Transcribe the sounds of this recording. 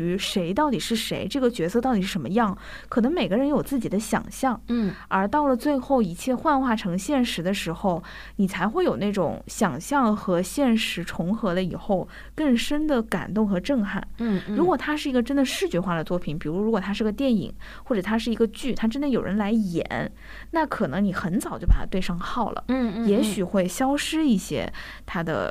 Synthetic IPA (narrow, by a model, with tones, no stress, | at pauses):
y˧˥ʂe˧˥ɪt̪ɑ˥˩ʊt̪i˨˩ʂɻ̩˥˩ʂe˧˥ɪʈ͡ʂɤ˥˩ɡə˩t͡ɕɥɛ˧˥sɤ˥˧t̪ɑ˥˩ʊt̪i˨˩ʂɻ̩˥˩ʂə˧˥mə˧jɑ˥˩ŋ | kʰɤ˨˩nɤ˧˥ŋme˨˩ɪɡə˦ɻə˧˥njo˨˩ʊt͡sɹ̩˥˩t͡ɕi˨˩d̪ə˦ɕjɑ̰˨˩ŋɕjɑ˥˩ŋ | ə˞˧˥t̪ɑ˥˩ʊlə˩t͡swe˥˧ɪxo˥˩ʊi˧˥t͡ɕʰjɛ˥˧xwa˥˧nxwa˥˩ʈ͡ʂʰɤ˧˥ŋɕjɛ˥˩nʂɻ̩˧˥d̪ə˧ʂɻ̩˧˥xo˥˧ʊ | ni˨˩t͡sʰa˧˥ɪxwe˥˩ɪjo˨˩ʊna˥˩ɪʈ͡ʂʊ̰˨˩˦ŋɕjɑ˨˩ŋɕjɑ˥˩ŋxɤ˧˥ɕjɛ˥˩nʂɻ̩˧˥ʈ͡ʂʰʊ˧˥ŋxɤ˧˥d̪ə˧ḭ˨˩xo˥˧ʊ | kə˥˩ŋʂə˥nd̪ə˨ka̰˨˩nt̪ʊ˥˩ŋxɤ˧˥ʈ͡ʂɤ˥˧ŋxa̰˥˩nɻu˧˥kwɔ˨˩t̪ʰa˥ʂɻ̩˥˩i˧˥ɡə˧ʈ͡ʂə˥nd̪ə˨ʂɻ̩˥˩t͡ɕɥɛ˧˥xwa˥˩d̪ə˩t͡swɔ˥˩pʰi˧˩npi˨˩ɻu˧˥ɻu˧˥kwɔ˨˩t̪ʰa˥ʂɻ̩˥˩˧ɡə˧t̪jɛ˥˩nḭ˨˩˦ŋ | xwɔ˥˩ʈ͡ʂɤ˨˩t̪ʰa˥ʂ̬ɻ̩˥˩i˧˥ɡə˧t͡ɕy˥˩t̪ʰa˥ʈ͡ʂə˥nd̪ə˨jo˨˩ʊɻə̰˧˥nla˧˥ɪjɛ̰˧˩˦n | na˥˩kʰɤ˨˩nɤ˧˥ŋni˨˩xə˧˥nt͡sɑ˨˩ʊt͡ɕo˥˩a˨˩t̪ʰa˥t̪we˥˧ɪʂɑ˥˧ŋxɑ˥˩ʊlə̰˩jɛ˧˥ɕy˨˩xwe˥˩ɪɕjɑ˥ʊʂɻ̩˥i˥˩ɕjɛ̰˥ | t̪ʰa˥d̪ə̰˧˩